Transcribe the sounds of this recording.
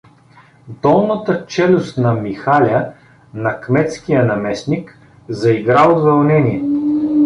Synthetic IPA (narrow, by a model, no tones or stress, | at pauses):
d̪ɔlˠnət̪ət͡ʃɛlʲʊst̪nɐmixalʲə | nɐkmɛt̪skijənɐmɛsnik | zɐiɡɾaod̪vɐlˠnɛniɛ